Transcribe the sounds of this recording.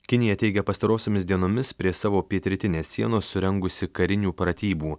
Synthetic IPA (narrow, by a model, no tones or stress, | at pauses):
kʲɪnʲɪjɛt̪ʲɛɪɡʲɛpɐst̪ɐɾoːsʲoːmʲɪsd̪ʲiɛnoːmʲɪspʲɾʲiɛsɑːʋoːpʲiɛt̪ʲɾʲɪt̪ʲɪnʲeːsːʲiɛnoːsːʊɾʲɛŋɡʊsʲɪkɐɾʲɪnʲuːpɾɐt̪ʲiːbuː